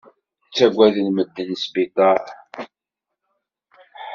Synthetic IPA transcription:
t͡sːæɡʷːæðənməd̪ːənsbit̪ˤɑɾ

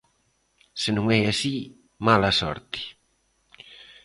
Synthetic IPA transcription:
senũŋɛasi | malasɔ̰ɾt̪i̥

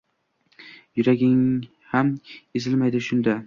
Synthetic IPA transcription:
jʊɾaɡʲɪŋ | hamezɪlmajd̪ɪʃʊnd̪a

